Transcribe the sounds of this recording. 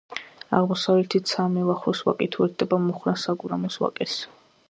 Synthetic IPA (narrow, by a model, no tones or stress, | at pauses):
a̰ʁmɔsavlɛt̪ʰisʰamɛlaχɾɔswa̰kʼɛt̪ʰuɛt̪d̪ɛbamuχɾasaɡuɾamɔswa̰kʼɛs